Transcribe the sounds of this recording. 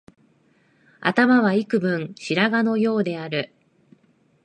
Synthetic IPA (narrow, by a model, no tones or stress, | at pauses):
a̰t̪amaβaikɯ̟bɯ̟̃ɴɰ̃ɕiɾaɡano̞jo̞ːd̪e̞aɾɯ̟